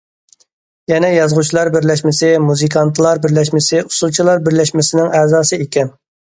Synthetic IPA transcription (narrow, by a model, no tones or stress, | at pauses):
jɛnɛjɑzʁut͡ʃʰilˠɑɾbɪɾlɛʃmɪsɪmuzɨkʰɑnt̪ʰlˠɑɾbɪɾlɛʃmɪsɪu̥sulˠt͡ʃʰilˠɑɾbɪɾlɛʃmɪsɪnɪŋɛːzɑːsɨekʲɛn